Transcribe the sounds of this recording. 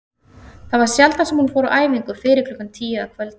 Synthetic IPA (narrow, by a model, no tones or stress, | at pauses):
θaðvaɾ̥sjalt̪asɛmhunfɔːɾʏʔaːjviŋkʏfɪːɾɪɾkʰlʏkːant̪ʰiːjaakʰvɛlt̪